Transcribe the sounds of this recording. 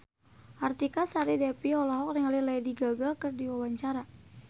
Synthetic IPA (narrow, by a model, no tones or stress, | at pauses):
ʔart̪ikasaɾidɛpiɔlɔɦɔk̚riŋalilaidiɡaɡakərdiwawaɲt͡ʃaɾa